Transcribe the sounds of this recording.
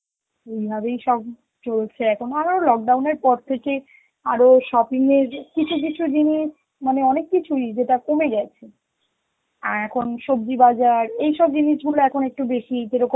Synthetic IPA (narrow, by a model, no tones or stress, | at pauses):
ejbʱabejʃɔb̚ | t͡ɕolt͡ɕʰeɛkʰonaɾolɔk̚ɖawneɾpɔɾt̪ʰeke | aɾoʃɔpiŋeɾkit͡ɕʰuk̬it͡ɕʰud͡ʑiniʃ | maneɔnekːit͡ɕʰuid͡ʑeʈakomeɡɛt͡ɕʰe | aɛkʰonʃob̚d͡ʑibad͡ʑaɾejʃɔb̚d͡ʑiniʃɡuloɛkʰonek̚ʈubeʃid͡ʑeɾokom